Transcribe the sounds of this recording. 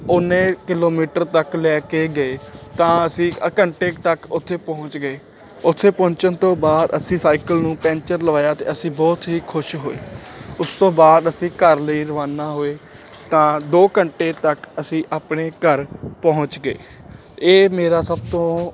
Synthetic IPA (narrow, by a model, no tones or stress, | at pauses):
ʊnẽːkɪloːmiːʈəɾt̪əklɛːkeːɡəeːt̪ãːəsĩːəkəɳʈeːk̚t̪əkʊt̪ʰːeːpɔ̃ːʊɲt͡ʃɡəeː | ʊt̪ʰːeːpɔ̃ːt͡ʃənt̪õːbaːd̪əsĩːsaːikəlnũːpɛ̃ːnt͡ʃəɾləʋaːjaːt̪ḛːəsĩːbɔːt̪ɦiːkʰʊʃɦo̰ːḛːʊst̪õːbaːd̪əsĩːkəɾləiːɾəʋaːnaːɦoːeː | t̪ãːd̪oːkəɳʈeːt̪əkəsĩːʔaːpɳeːkəɾpɔːʊɲt͡ʃɡḛː | eːmeːɾaːsəb̚t̪õː